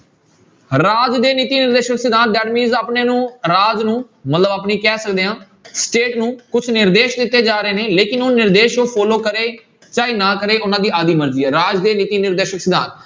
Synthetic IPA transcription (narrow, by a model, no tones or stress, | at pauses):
ɾaːd͡ʒd̪eːnɪt̪iːnɪɾd̪eːʃəksɪd̪ãːn̚ɖɛːɖmiːzaːpneːnũːɾaːd͡ʒnũː | mət̪ləbaːpniːkɛːsəkd̪eːãː | sʈeːʈnũːkʊt͡ʃʰnɪɾd̪eːʃd̪ɪt̪ːeːd͡ʒaːɾəeːneːleːkɪnoːnɪɾd̪eːʃoːpʰɔːloːkəɾeː | t͡ʃaːiːnãːkəɾeːʔʊnãːd̪iːaːd̪iːməɾd͡ʒiːɛːɾaːd͡ʒd̪eːnɪt̪iːnɪɾd̪eːʃəksɪd̪ãːnt̪